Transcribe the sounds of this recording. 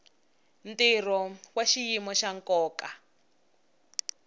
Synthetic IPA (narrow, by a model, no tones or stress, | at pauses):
ntirɔwaʃijimɔʃaŋkɔːka